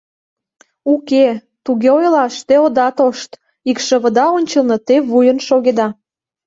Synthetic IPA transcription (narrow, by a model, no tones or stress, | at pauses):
uke | t̪uɣeojlɑʃt̪eod̪ɑt̪oʃt̪ | ikʃə̆βə̆d̪ɑonʲt͡ɕəlnɤ̆t̪eβujənʃoɣed̪ɑ